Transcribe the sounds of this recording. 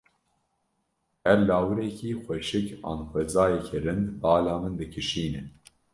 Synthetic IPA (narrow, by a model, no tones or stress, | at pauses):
ɛɾlaːwɨɾɛkʰiːxʷɛʃɨkɑ̰ːnxʷɛzaːjɛkʰɛɾɨnd̪bɑːlɑːmɨnd̪ɨkʰɨʃiːnɨ